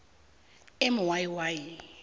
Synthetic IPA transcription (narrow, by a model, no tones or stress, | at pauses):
ɪmʊwajiwaːji